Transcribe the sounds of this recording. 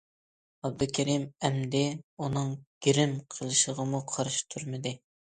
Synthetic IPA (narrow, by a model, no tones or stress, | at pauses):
ɑb̚d̪ɨkʲʰɛɾimɛmd̪ɪunɨŋɡ̥ʲiɾɪmqʰəlˠɨʃəʁəmuqʰɑɾɨʃt̪ʰuɾmɨd̪ɨ